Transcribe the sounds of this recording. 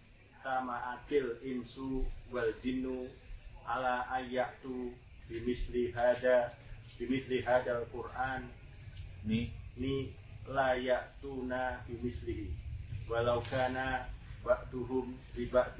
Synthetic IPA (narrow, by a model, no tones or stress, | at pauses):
samaʔakɪlɪmsuwald͡ʒinːuʔalaajaʔt̪u | bimisliɦadabimisliɦadalkurʔan | nini | lajaʔt̪unabimisliɦiwalawkanabaʔt̪uɦʊmsibaʔt̪